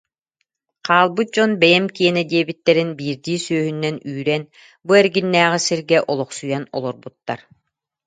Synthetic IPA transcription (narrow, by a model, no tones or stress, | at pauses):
qʰaːlˠbɯt̪̚d͡ʑɔnbɛjɛmkiɛnɛd̪iɛbit̪ːɛɾinbiːɾd̪iːsøːɦynːɛnyːɾɛn | buɛɾɡinːæːʁisiɾɡɛʔɔlˠɔqsujanɔ̰lˠɔɾbut̪ːaɾ